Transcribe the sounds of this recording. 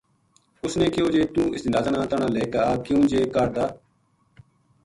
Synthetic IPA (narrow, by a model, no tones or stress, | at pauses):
ʊsnẽːkɪjoːd͡ʒeːt̪ũːɪsd̪aːd̪əɳãːt̪əɳãːleːkaːkɪjũːd͡ʒeːkaɾd̪aː